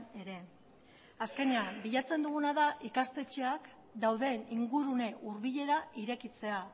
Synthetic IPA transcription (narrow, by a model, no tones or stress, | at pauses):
ne̞ɾe̞ | aske̞neambiʎat͡se̞nd̪uɣunaðaʔikast̪e̞t͡ʃe̞ak | d̪awðe̞niŋɡuɾune̞ʔuɾβiʎe̞ɾaiɾe̞kit͡se̞a